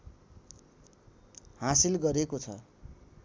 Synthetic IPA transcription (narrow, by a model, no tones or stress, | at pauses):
hãsilɡʌɾekot͡sʰʌ̰